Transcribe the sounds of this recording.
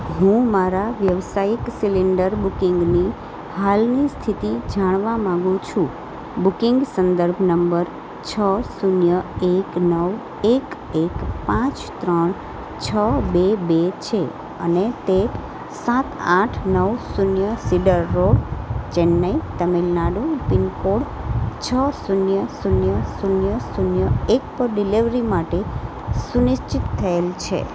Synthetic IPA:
ɦũmaɾaʋjəʋsajiksiliɳɖəɾbukiŋɡni | halnist̪ʰit̪id͡ʒaɽ̃ʋamãŋɡũt͡ʃʰũ | bukiŋɡsənd̪əɾbʱnəmbəɾ | t͡ʃʰəsunjəeknəʋ | ek | ekpãt͡ʃt̪ɾəɳ | t͡ʃʰəbebet͡ʃʰe | ə̰net̪e | sat̪ʰãʈʰnəʋsunjəsiɖəɾːoɽt͡ʃenːəit̪əmilnaɖũpinkoɽt͡ʃʰəsunjəsunjəsunjəsunjəek̚pəɾɖiliʋɾimaʈe | sunɪʃt͡ʃit̪ʰːəelt͡ʃʰḛ

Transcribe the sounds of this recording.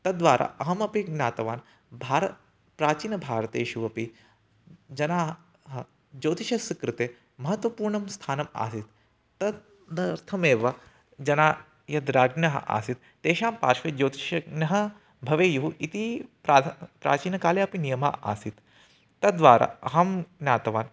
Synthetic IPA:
t̪ɐd̪ʋaːɾʔa̰ːʔɐɦɐmɐpiɡnaːt̪ɐʋaːn | bʱaːɾɐ | pɾaːt͡ʃiːnɐbʱaːɾɐt̪eːʃuʋɐpi | d͡ʒɐnaːɦ | ɦɐ | d͡ʒoːt̪iʃɐsikɾɨt̪eː | mɐɦɐt̪ʋɐpuːɾɳɐmst̪ʰaːnɐma̰ːsit̪ː | ɐ | d̪ɐɾt̪ʰɐmeːʋɐ | d͡ʒɐnaː | jɐd̪ɾaːɡnɐɦɐ̰ʔa̰ːsit̪t̪eːʃaːmpaːɾʃʋed͡ʒoːt̪iʃɐɡnɐɦɐ | bʱɐʋeːjuɦuʔit̪ipɾaːpɾa̰ːt͡ʃiːnɐkaːleɐpinijɐma̰ːʔa̰ːsit̪ː | ɐd̪ʋaːɾa̰ːɐɦɐmɡnʲaːt̪ɐʋaːn

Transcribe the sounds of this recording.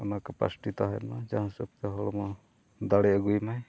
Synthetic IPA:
ɔnakapa̰sʈit̪aɦɛ̰nmad͡ʒaɦsup̚t̪ɔɦɔlɔmɔ | d̪aɽɛəɡujmaj

